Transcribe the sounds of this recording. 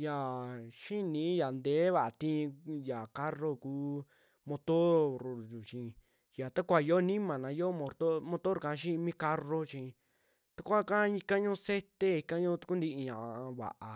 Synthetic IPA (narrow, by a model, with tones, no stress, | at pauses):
ja˨ʃi˦nĩ˨˦ja˨nd̪e˨˦βa˨ʔa˧t̪ĩ˦˧ja˨ka˦ro˦kuː˦ | mõ˧t̪o˦ɾɾju˨t͡ʃĩ˧ | ja˨t̪a˦kʷa˧˨jo˦nĩ˦mã˨nã˨˧˦jo˦mõ˧t̪o˦mõ˧t̪o˦ɾkã˧˦ʃ̬ĩ˦˧mĩ˦ka˦ro˦t͡ʃĩ˧ | t̪a˦kʷa˦kã˦i˧kã˦ɲõː˦se˦t̪e˦i˧kã˦ɲõː˦t̪u̥˧ku˦nd̪i˧ʔi˧ɲã˨˧βa̰˨ʔa˧